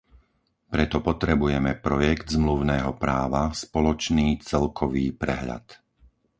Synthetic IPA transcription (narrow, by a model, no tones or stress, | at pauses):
pɾɛt̪ɔpɔt̪ɾɛbujɛmɛpɾɔjɛɡd̪zmluʊnɛːɦɔpɾaːʋaspɔlɔt͡ʃniːt͡sɛlkʰɔʋiːpɾɛɦʎa̰t̪